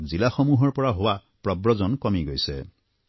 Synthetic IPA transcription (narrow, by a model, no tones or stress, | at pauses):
zilaxɔmuɦɔɹpɔɹaɦowa | pɹɔbɹɔzɔnkɔmiɡojsɛ̰